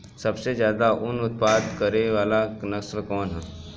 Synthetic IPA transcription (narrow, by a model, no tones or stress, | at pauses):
sɐbsezjaːd̪aʔʊnʊt̪̚paːd̪kɐɾeʋaːlanɐslkɔːnɦɛː